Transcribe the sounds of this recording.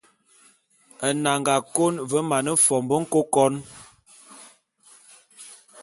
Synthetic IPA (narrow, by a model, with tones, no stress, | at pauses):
ə˨na˨ŋɡa˨ko˦nvə˨˦ma˨nə˦fɔ˨mbə˦ŋ̩˦ko˦kɔ˦n